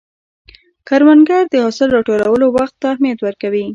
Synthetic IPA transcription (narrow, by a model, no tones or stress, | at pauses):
kaɾmanɡɑɾd̪əhosəlɾɑʈolawəlowaxt̪ːaːhmijat̪wəɾkawi